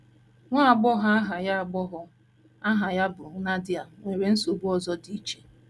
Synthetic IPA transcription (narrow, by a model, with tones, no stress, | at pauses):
ŋʷa˦a˨ɡ͡bɔ˦ɦa˦a˦ɦa˨ja˦˨ɡ͡bɔ˦ɦʊ˦ | a˦ɦa˨ja˦bʊ˨na˦dɪ˦a˨me˨ɾe˨n̩˦so˨bu˦ɔ˨zɔ˦di˦t͡ʃe̥˨